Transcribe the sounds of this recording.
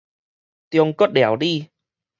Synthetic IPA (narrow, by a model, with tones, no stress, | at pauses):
t̪i˧əŋkɔː˦˥t̚ɗɛ˧˩˦wɗi˧˩